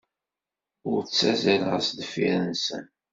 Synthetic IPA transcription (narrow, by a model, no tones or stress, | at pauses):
ʊɾt͡sːæzælʁəsd̪əfiɾnsə̰n